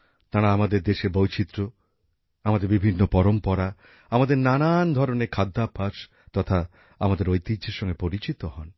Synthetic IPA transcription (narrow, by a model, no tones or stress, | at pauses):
t̪aɾaamad̪eɾd̪eʃeɾbojt͡ɕit̪ːɾo | amad̪eɾbibʱinːopɔɾompɔɾa | amad̪eɾnanand̪ʱɔɾoneɾkʰad̪ːapʰːaʃ | t̪ɔt̪ʰa | amad̪eɾojt̪id͡ʑd͡ʑʱeɾʃɔŋɡepoɾit͡ɕit̪ohɔn